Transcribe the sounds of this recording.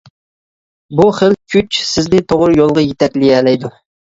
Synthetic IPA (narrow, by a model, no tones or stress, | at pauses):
buχəlkʲʰyt͡ʃsɪznɪt̪ʰoʁɾɨjolˠʁɑjet̪ʰɛkʲlɪɛlɛjd̪u